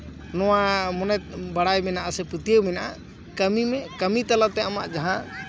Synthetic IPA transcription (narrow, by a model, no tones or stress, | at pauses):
nɔwamɔnɛt̪̚baɽajmɛnaʔasɛput̪ijəwmɛnaʔa | kəmimɛkəmit̪alat̪ɛama̰ʔd͡ʒaɦã